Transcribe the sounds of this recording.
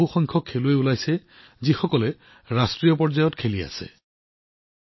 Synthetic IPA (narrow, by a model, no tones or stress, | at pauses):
uxɔŋkʰɔkʰːeloeulajsɛ | zixɔkɔlɛ | ɹastɹijɔp̬ɔɹzajɔtkʰelia̰sɛ̰